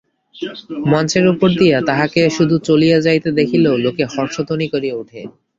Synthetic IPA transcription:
mɔnt͡ɕeɾupoɾd̪ijat̪aɦakeʃud̪ʱut͡ɕolijad͡ʑajt̪ed̪ekʰilolokehɔɾʃot̪onikoɾieuʈʰe

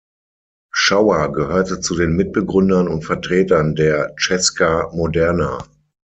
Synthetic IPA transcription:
ʃaʊɐɡəhøːɐtət͡sudeːnmɪt̚b̥əɡʁʏndɐnʊntfɛɐtʁ̥eːtɐndeːɐt͡ʃɛskamodɛɐna̰

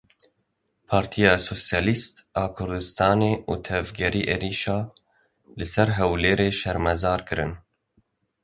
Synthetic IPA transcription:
pʰɑːɾt̪ʰijɑːsoːsjɑːlist̪ɑːkʰʊɾd̪ɨst̪ɑːneːṵːt̪ʰɛvɡɛɾiːʔeːɾiːʃɑː | lɨsɛɾɦɛwleːɾeːʃɛɾmɛzɑːɾkɨɾɨn

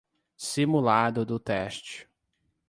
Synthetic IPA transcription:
simulad̪ʊd̪ʊt̪ɛʃt͡ʃɪ̥

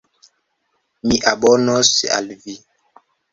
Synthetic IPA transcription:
miʔaɓɔnɔsia̰lvi

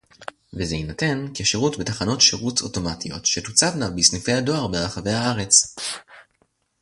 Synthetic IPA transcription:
vezeinate̞nkeʃeʁutbetaχano̞tʃeʁut͡so̞to̞matijo̞tʃetut͡savnavbisnife̞jado̞aʁbeʁaχave̞jhaaʁe̞t͡s

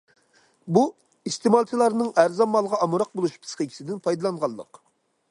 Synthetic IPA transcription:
bu | ist̪emɑlˠt̪ʰilˠɑɾnɨŋæɾzɑmːɑlˠʁɑɑmuɾɑq̚bolˠuʃpʰɨ̥sqəkʲʰi̥sɪd̪ɪnpʰɑjd̪ɑlˠɑɴʁɑlˠːə̰q

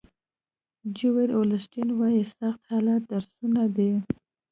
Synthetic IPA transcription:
d͡ʒuweɾolɪsʈinwɑjisaxt̪hɑlat̪̚d̪aɾsunad̪i

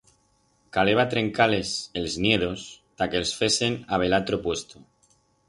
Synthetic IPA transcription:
kale̞β̞at̪ɾe̞ŋkale̞selznjeð̞ost̪akelsfe̞se̞naβ̞e̞lat̪ɾopwe̞st̪o

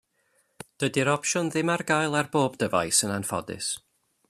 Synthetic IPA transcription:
d̥ədiɾɔpʃɔnðɪmarɡaːjlˠarboːbdəva̰jsənanfɔ̰dɪ̰s

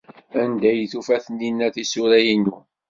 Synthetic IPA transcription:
ænd̪æjθufæθənːinːæθisuɾæjinu

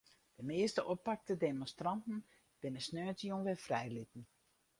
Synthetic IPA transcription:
d̥əmɪːstəʔopak̚tədemɔnstrɑntn̩ | b̥ɪnəsnøːtjonʋɛfrɛjlitn̩

